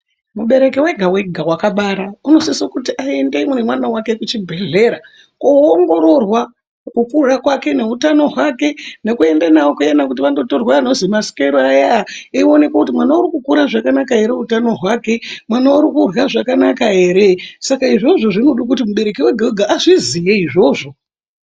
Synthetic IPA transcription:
muɓe̞ɾe̞kewe̞ɡʱawe̞ɡʱawakaɓaɾauno̞sisokutiʔaendeimonemwanawake̞kut͡ʃibʱe̞ɮe̞ɾa | kooŋɡo̞ɾo̞rwa | kukurakwake̞ne̞utano̞ɦwake̞ne̞kue̞ndanaokuenakut̬iʋando̞torwaːno̞zimaskeɾoajaeo̞ne̞kwakutimwanauɾikukuɾaʐakanakae̞ɾe̞utano̞ɦwake̞mwanaoɾikurwaʐakanakaɦe̞ɾesakaiʐo̞ʐo̞ʐinoɗukutimuɓe̞ɾekiweɡʱaweɡʱaːʐizijeiʐo̞ːʐo̞

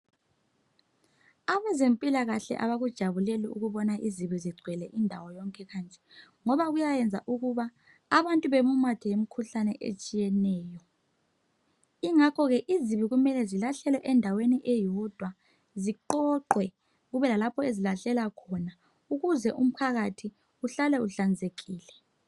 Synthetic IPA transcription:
aβɛzempʼilaɣaɬɛ̰ʔa̰βaɣud̥ʒ̥ʱaβuleliuɣuβɔnaʔiziβiziɡ͡ǀʱwɛlɛʔindʱawɔjɔŋkʼɛɣant͡ʃʼɛ̥ | ŋɔβaɣujajɛnd͡zʱa̰ʔuɣuβa | aβantʼuβemumatʰijem̩kʰuɬanɛʔḛt͡ʃʼijɛnɛːjɔ | iŋakʰɔɣɛʔiziβiɣumɛlɛzilaɬɛlɛʔɛndʱaweniʔɛjɔd̥ʱwa | ziǃɔǃwɛ | ɣuβɛlalapʰɔezilaɬɛlakʰɔna | uɣuzɛʔum̩pʰaɣatʰi | uɬalɛuɬand͡zʱeɣiːlɛ

